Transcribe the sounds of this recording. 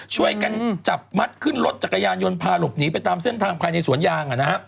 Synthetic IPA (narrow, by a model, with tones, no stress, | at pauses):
t͡ɕʰu˥˩əjka˧nt͡ɕa˨˩p̚ma˦˥t̪̚kʰɯ˥˩nlo˦˥t̪̚t͡ɕa˨˩kːa˧jaː˧njo˧npʰaː˧lo˨˩p̚niː˦p̬a˧jt̪aː˧mse˥˩nt̪ʰaː˧ŋpʰaː˧jna˧jsu˩˦ənjaː˧ŋʔa˨˩na˦˥ha˦˥ʔ